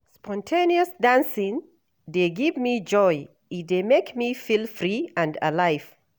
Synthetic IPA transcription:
spʰɔ̃ntʰẽniəsdãnsĩn | deɡivmid͡ʒɔj | idemekmifilfɹiãnda̰lajv̥

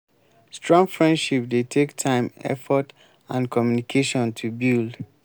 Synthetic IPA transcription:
stɹɔ̃ŋfɹɛ̃ndʃip̚detʰektʰãɪ̃mɛ̰fɔt | ãnkʰɔmjunikʰeʃɔ̃ntʰubild

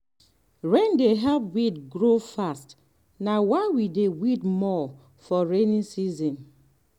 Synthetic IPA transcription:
ɾɛ̃ndeɦɛlp̚widɡɾofast | nawaɪwidewitmɔ | fɔɹenĩnsizɔ̃n

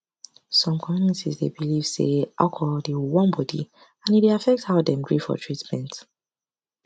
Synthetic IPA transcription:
sɔ̃mkʰɔ̃minĩtizdḛbiliv̥sḛʔakʰɔldewwɔ̃nbɔdḭ | ãnideafɛk̚thaʊdɛ̃mɡɹifɔ̰tʰɹitmɛ̃nt

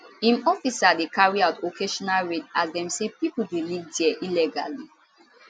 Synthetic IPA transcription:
ĩmɔfisadekaɹiaʊtokʰeʃɔnalɹedasdɛ̃msepipul̩wilivdiɛʔilɛɡa̰li

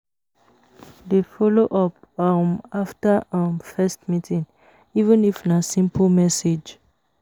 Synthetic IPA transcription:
defɔloʔɔpamaftaãmfɛstmitʰĩŋ | ivə̃nifnasĩmplmɛsed͡ʒ

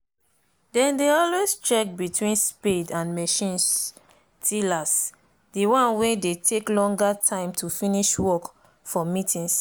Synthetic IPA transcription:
dɛ̃ndeɔlwest͡ʃɛk̚bitʰwĩnspidãnmɛʃĩns | tʰilas | diwãnwẽdetʰeklɔ̃ŋɡatʰãɪ̃mtʰufiniʃwɔk | fɔmitĩŋs

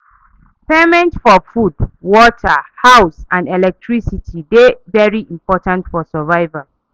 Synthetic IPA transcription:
pemɛ̃ntfɔfudwɔtʰəhaʊsãndɛlɛk̚tʰɹisitʰidevɛɹiʔĩmpɔtãntfɔsəvaɪval

